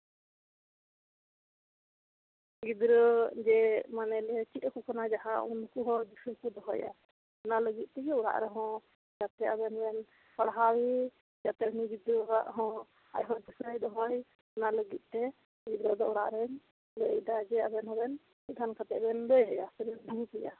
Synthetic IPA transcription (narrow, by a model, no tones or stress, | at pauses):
ɡid̪ɾəd͡ʒɛmanɛlɛt͡ʃit̪ˀkukanad͡ʒaɦaʔunkuɦɔd̪isəkud̪ɔɦɔja̰ | naləɡit̪̚ˀt̪ɛjɛɔɽa̰ʔɾɛɦɔ̃ | d͡ʒat̪ɛabɛnbɛn | paɽɦawi | d͡ʒat̪ɛniɡid̪ɾəaʔɦɔ̃ | a̰jɦɔd̪isɾəjd̪ɔɦɔj | naləɡit̪̚ˀt̪ɛ | ɡid̪ɾəd̪ɔɔɽa̰ʔɾɛɲ | ləd̪ad͡ʒɛabɛnɦɔbɛn | sid̪ʱankat̪ɛbɛnləjəjasɛbɛnb̪ʱupɛja̰